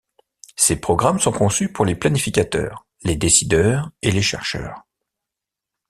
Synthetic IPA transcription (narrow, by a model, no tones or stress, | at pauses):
sepχɔɡʁamsɔ̃kɔ̃sypuʁleplanifikʲat̪œ̰ːʁ | led̪esid̪œːʁeleʃɛ̰ʁʃœ̰ːʁ